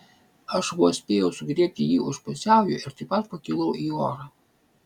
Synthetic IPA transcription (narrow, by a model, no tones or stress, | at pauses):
ɐʃʋuɔsʲpʲeːjɛʊsʊɡɾʲiɛp̚ʲt̪ʲɪjiːʊʃpʊsʲæˑʊjʊɪɾt̪ɐɪpɐt̪pɐkʲɪlˠɐʊʔiːoːɾɑ